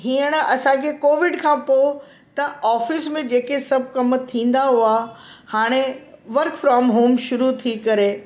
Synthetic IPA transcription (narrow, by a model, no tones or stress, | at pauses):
ɦiːəɽ̃ɐsãkʰekoːʋɪɖkʰãːpoː | t̪ɐaːfɪsmẽd͡ʑeːkesɐbʱkɐmt̪ʰĩːn̆d̪aɦʊahaːɽ̃eʋɐɾkfɾɔːmɦoːmʃʊɾut̪ʰikɐɾe